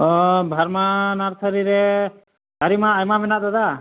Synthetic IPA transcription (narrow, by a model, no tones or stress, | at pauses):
ɔbʱaɾmanaɾsʰəɾiɾɛ | aɾimaːjmabɛnaʔ̚t̪ad̪a